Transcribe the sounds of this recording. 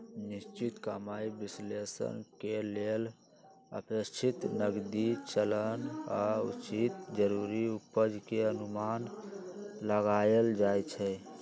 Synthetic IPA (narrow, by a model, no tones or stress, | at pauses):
nist͡ʃit̪kəmaibislesə̰nkelel | ə̰pəst͡ʃʰit̪nəɡd̪it͡ʃələnaṵt͡ʃit̪d͡ʒəɾuɾiupəd͡ʒkeənuman | ləɡajəld͡ʒajt͡ʃʰɛ